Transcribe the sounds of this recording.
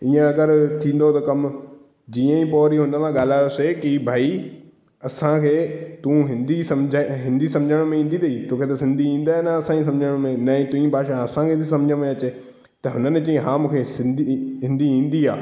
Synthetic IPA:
iːə̃ɐɡəɾt̪ʰĩːn̆d̪ot̪ɐkɐm | d͡ʑiːə̃ĩpɔːɾiɦʊnəkãɠaːl̤aːjosekibʱaːi | ɐsãkʰeːt̪ũːɦɪ̃nd̪isɐmd͡ʑʱaɦɪ̃nd̪ʱisɐ̃md͡ʑʱəɽ̃mẽĩːn̆d̪it̪ɐiːt̪oːkʰet̪ɐsɪ̃nd̪ʱiĩːn̆d̪aːenaɐsãis̬ɐ̃md͡ʑʱəɽ̃mẽnɐ̃ːĩt̪ũĩbʱaːʃãɐsãkʰet̪ʰisɐ̃md͡ʑʱə̃mẽɐt͡ɕe | t̪ɐɦʊnənt͡ɕɐ̃ːẽɦãːmũːkʰesɪ̃nd̪ʱiɦɪ̃nd̪ʱiĩːn̆d̪ia̰ː

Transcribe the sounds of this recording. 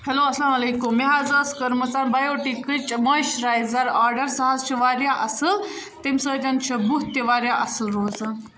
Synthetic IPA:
heloɐslamɐlekumːiɦazaskɐɾmɐt͡sanbajoʈikət͡ʃmaʃɾajzɐɾaːɾɖəɾsɐɦazt͡ʃʰiʋaːɾjaʔɐsɨl | t̪emsət̪ɐnt͡ʃʰɐbuɦt̪eʋaːɾjaʔɐsɨlɾoːz

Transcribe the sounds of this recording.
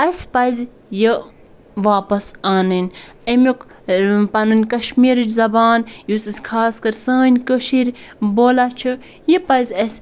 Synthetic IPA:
ɐsʲpɐjz | ji | ʋaːpɐsaːnɨnʲɐmukpɐnunʲkɐʃmiːɾɨt͡ʃzɐbaːnjusɨsʲkʰaːskɐɾsəːnʲkəʃiɾboːlat͡ʃʰɨ | jipɐjzʲɐsʲ

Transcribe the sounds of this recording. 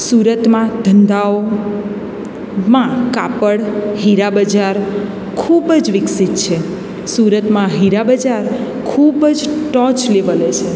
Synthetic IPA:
suɾət̪mãd̪ʱənd̪ao | mãkapəɽɦiɾabəd͡ʒaɾ | kʰubəd͡ʒʋɪksit̪t͡ʃʰe | suɾət̪mãɦiɾabəd͡ʒaɾ | kʰubəd͡ʒʈɔt͡ʃleʋəlet͡ʃʰe

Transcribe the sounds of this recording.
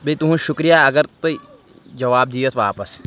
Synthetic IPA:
bit̪uɦũʃʊkɾijaɐɡəɾt̪oi | d͡ʒɐʋaːb̚d̪ijoːt̪ʰʋaːpəs

